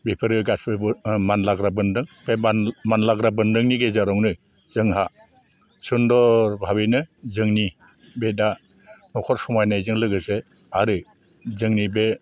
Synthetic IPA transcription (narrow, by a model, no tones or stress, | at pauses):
bipʰɯɾɯɡasbɯbɯmanlaɡɾabɯndɯŋb̥emanlaɡɾabɯndɯŋniɡezaɾɔŋnɯ | zɯŋɦa | sundɔɾbʱaβijnɯzɯŋni | beda | nɔkʰɔɾsɔmajnajzɯŋlɯɡɯse | aɾɯ | zɯŋnibe